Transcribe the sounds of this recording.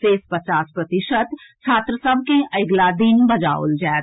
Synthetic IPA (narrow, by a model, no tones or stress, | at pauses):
seːspət͡ʃaːspɾət̪ɪʃət̪t͡ʃʰaːt̪ɾəsəbʱkeʔəɡlad̪ɪnbɐd͡ʒa̰ʊ̰ld͡ʒɛːt̪